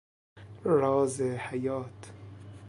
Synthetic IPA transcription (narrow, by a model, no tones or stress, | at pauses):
ɾɔːzehajɔːt̪